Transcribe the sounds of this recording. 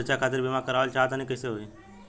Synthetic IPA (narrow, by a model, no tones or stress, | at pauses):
ɾt͡ʃakʰaːt̪̬ɪɾbimakəɾaːʋəlt͡ʃaːt̪̬anəɦĩkɐɪseɦoːeː